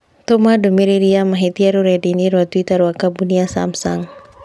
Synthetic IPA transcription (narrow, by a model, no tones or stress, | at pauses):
t̪ɔmadɔmiɾiɾiamaɦit̪iaɾuɾɛdiniɾuat̪uit̪aɾwakabuniasa̰msa̰ŋ